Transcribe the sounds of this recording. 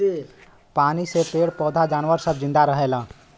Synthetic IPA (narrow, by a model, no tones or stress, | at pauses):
paːnisepeːɽpɔːd̪ʱad͡ʒaːnʋəɾsəb̚zɪ̃nd̪aɾəɦeːlãː